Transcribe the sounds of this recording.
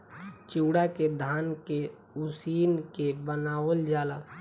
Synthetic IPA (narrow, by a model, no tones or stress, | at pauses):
t͡ʃuːɽaked̪ʱaːnke | usiːnkebənaːwəld͡ʒaːla